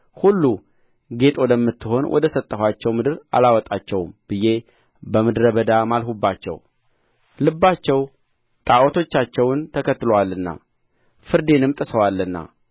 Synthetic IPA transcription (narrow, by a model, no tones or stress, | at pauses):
hulːu | ɡe̞t̪ʼod̪əmːɨt̪ːɨho̞nwʔɔ̰d̪əsət̪ʼːəhwat͡ʃːɛwmɨd̪ɨɾa̰lawɔt̪ʼat͡ʃːɛwmb̥ɨje̞ | bəmɨd̪ɾəbəd̪amalɦubːat͡ʃːɛ̰w | lɨbːat͡ʃːɛw | t̪ʼaʔɔt̪ʰo̞t͡ʃːat͡ʃːɛwnt̪ʰəkʰət̪ːɨlowalːɨnːa̰ | fɨɾd̪e̞nɨmt̪ʼɨsəwalːɨnːa̰